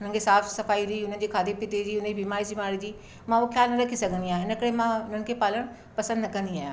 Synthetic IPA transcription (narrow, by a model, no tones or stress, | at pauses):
ʊnə̃ɡeːsaːpʰsəpʰaːiːɾiːʊnãːd͡ʒeːkʰaːd̪eːpɪt̪ed͡ʒiːʊnə̃d͡ʒiːbɪmaːɾiːsɪmaːɾiːd͡ʒiː | mãːokʰjaːlnəɾəkʰːiːsəɡniãːɪnə̃kəɽeːmãːnənkeːpaːləɳ̃ | pəsə̃nd̪nkə̃nd̪iaːjãː